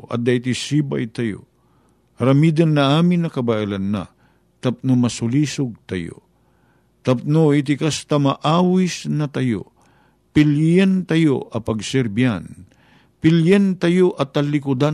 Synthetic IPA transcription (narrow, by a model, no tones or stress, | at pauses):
ʔɐ̰d̪ɐit̪isiːba̰jt̪ɐjo̰ | ɾɐmid̪anːɐʔaːmɪnːɐkɐbaʔilanːa̰ | t̪ɐp̚nomɐsʊliːsʊɡ̚t̪ɐ̰jo̰ | t̪ɐp̚noɪt̪̬ɪkast̪amɐʔaːwisnɐt̪ɐjo̰ | pɪljɛnt̪ɐjo̰ʔɐpɐɡsɛɾbia̰n | pɪljɛnt̪ɐjoʔɐt̪ɐlɪkʊd̪a